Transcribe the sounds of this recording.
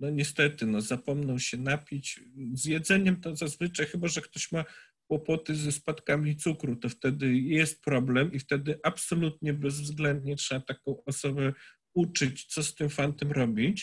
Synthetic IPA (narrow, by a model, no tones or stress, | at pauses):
nɔɲɛst̪ɛt̪ɘnɔzapɔmnɔwɕɛnapʲit͡ɕzjɛd̪zɛɲɛmt̪ɔzazvɘt͡ʂajxɘbaʐɛkt̪ɔɕma | kwɔpɔt̪ɘzɛspat̪kamʲit̪sukɾut̪ɔft̪ɛd̪ɘjɛst̪̚pɾɔblɛmift̪ɛd̪ɘʔapsɔlut̪ɲɛbɛzvzɡlɛnd̪ɲɛtʂɛat̪akɔ̃w̃ɔsɔbɛ | ut͡ʂɘt͡ɕt̪sɔst̪ɘmfant̪ɛmɾɔbʲit͡ɕ